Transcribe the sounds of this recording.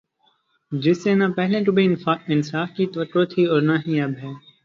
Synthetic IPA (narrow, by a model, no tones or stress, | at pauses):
d͡ʒɪsːeːnapɛɦlẽʈubʱiaɪnsaːfkit̪ʋəʈɾot̪ʰiːɔːɾnaɦiɐbɦɛː